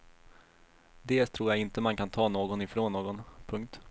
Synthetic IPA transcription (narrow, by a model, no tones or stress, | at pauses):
d̪ɛːlt̪ʰɾuːɾjaɡɪnt̪əmankʰant̪ʰɑːnoːɡɔnɪfɾoːnːoːɡɔnpʰɵŋk̚t̪